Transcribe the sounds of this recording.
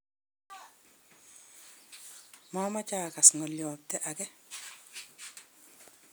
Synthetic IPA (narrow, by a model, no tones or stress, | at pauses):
mamat͡ʃaːkasŋɔljɔːp̚tɛʔakɛ